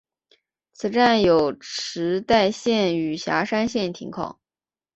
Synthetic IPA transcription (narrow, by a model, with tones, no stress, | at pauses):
t͡sʰɹ̩˨˩ʈ͡ʂa˥˩njo˨˩ʊʈ͡ʂʰɻ̩˧˥t̪a˥˧ɪɕjɛ˥˩ny˨˩ɕja̰˧˥ʂa˥nɕjɛ˥˩nt̪ʰḭ˧˥ŋkʰɑ̰˨˩˦